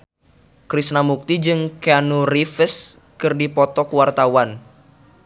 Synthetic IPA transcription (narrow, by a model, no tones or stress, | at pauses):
kɾisnamuk̚t̪id͡ʒɨŋkeanurifəs | kɨrdipɔt̪ɔkəwart̪awan